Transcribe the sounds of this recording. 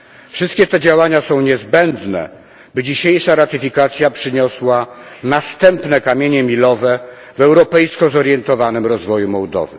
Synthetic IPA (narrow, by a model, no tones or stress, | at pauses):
fʂɘst̪̚kʲɛt̪ɛd͡ʑawaɲasɔ̃w̃ɲɛzbɛnd̪nɛ̰ | bɘd͡ʑiɕejʂaɾat̪ɘfʲikat̪sʲjapʂɘɲɔswanast̪ɛmpnɛkamʲjeɲɛmʲilɔvɛ | vɛwɾɔpɛjskɔzɔɾjɛnt̪ɔvanɘmɾɔzvɔjumɔwd̪ɔ̰vɘ̰